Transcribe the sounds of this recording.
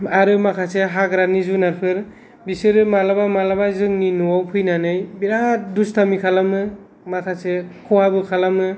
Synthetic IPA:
aɾɯmakʰaseɦaɡɾanizunaɾpʰɯɾ | bisɯɾɯmalabamalabazɯŋninuawpʰɯjnanɯjbiɾatdustʰamikʰalamɯ | makʰasekʰɔhabɯkʰalamɯ

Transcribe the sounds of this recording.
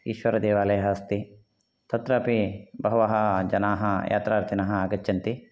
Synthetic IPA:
ḭːʃʋɐɾɐd̪eːʋaːlɐjɐɦɐst̪i | t̪ʰɐt̪ɾɐːpibɐɦɐʋɐɦɐd͡ʒɐnaːɦɐja̰ːt̪ɾaːɾt̪ʰinɐɦɐaːɡɐt͡ʃːjɐnt̪i

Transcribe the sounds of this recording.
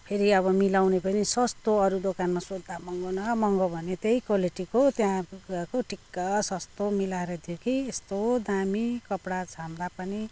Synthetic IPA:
pʰeɾiʌβʌmilawnepʌnisʌst̪oʌɾud̪okanmasod̪ːamʌŋɡonʌmʌŋɡobʱʌnet̪ejkoliʈikot̪jãkoʈʰikːʌsʌst̪omilaeɾʌt̪ʰjokiest̪od̪amikʌpɽad͡zʰʱamd̪apʌni

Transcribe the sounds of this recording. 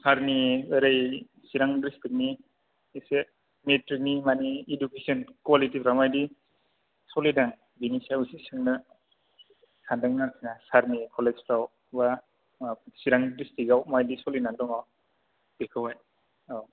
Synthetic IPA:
saɾniɯɾaj | siɾaŋdɾistik̚ni | ese | metɾik̚nimaniːdukesɔnkwalitipʰɾawmajdi | sɔlidaŋ | binisausisiŋnɯ | sʰandaŋnaŋsʰinasaɾnikʰɔled͡ʒpʰɾaw | ba | siɾaŋdɾistikawmajdisɔlinaŋdɔŋaw | b̥ekʰɯwaj | aw

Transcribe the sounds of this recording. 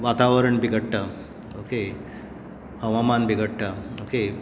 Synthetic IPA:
ʋat̪aʋəɾəɳbʱiɡʱəʈʈa | oke | həʋamanbʱiɡəʈʈaoke

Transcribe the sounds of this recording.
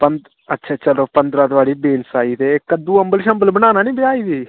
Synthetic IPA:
pənd̪ | ɐtːʃʰaːt͡ʃəloːpənd̪ɾaːt̪ʋaːɽiːbeːnsaːiːt̪eːkəd̪uːəmbəlʃəmbəlbəñaːnaːnĩːbɪaːiːd̪iː

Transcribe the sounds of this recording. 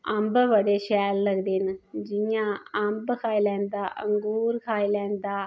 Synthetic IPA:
əmbʋəɽeːʃɛːlːəɡd̪eːnd͡ʒɪjãːəmbkʰaːilɛ̃ːnd̪aːʔəŋɡuːɾkʰaːilɛ̃ːnd̪aː

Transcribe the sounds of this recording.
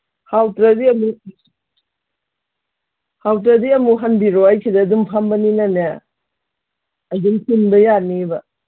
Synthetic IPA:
hawtɾɐdiɐmu | hawtɾɐdiɐmuɦɐnbiɾoajkʰidɐːdumpʰambɐninanɐ | duŋhʰinbɐjanibɐ

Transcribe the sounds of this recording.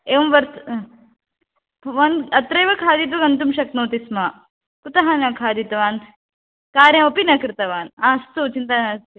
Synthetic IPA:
eːʋɐmʋɐɾt̪ | ʋɐnɐt̪ɾɐjʋɐkʰaːd̪it̪ʋɐɡɐnt̪umʃɐknoːt̪ismaː | kut̪ɐɦanɐkʰaːd̪it̪ɐʋaːnʰ | kaːɾjɐ̃ɐpinɐkɾɨt̪ɐʋaːnaːst̪ut͡ʃint̪anɐst̪i

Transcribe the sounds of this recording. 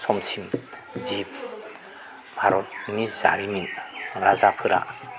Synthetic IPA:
sɔmsʰimzip̚ | bʱaɾɔt̚niza̰ɾiniɾazapʰɯɾa̰

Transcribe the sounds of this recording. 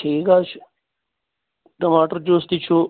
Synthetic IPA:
eːɡaːt͡ʃʰ | kɐmaːʈəɾd͡ʑoːst̪it͡ʃʰoː

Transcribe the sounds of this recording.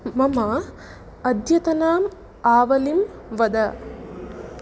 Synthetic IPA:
mɐmɐ | ɐd̪ʱjɐt̪ɐnaːm | aːʋɐlim | ʋɐd̪ɐ

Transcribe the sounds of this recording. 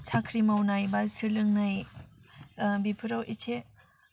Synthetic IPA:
sʰakʰɾimawnajbasɯɾlɯŋnaj | bipʰɯɾawit͡ʃʰe

